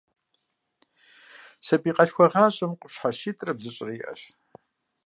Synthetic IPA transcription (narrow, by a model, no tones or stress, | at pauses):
sɐpʼiːqʼɐɬxʷɐʁaːɕʼɐmqʷʼʊpɕħaʃiːtʼrɐbzɨɕʼɪrɐjiʔɐ̰ɕ